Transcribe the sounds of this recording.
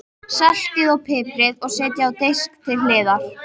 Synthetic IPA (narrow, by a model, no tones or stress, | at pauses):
sɛl̥t̪ɪðɔɣpʰɪːpɾɪðɔɣsɛːt̪jaawt̪ejskt̪ʰɪllɪːða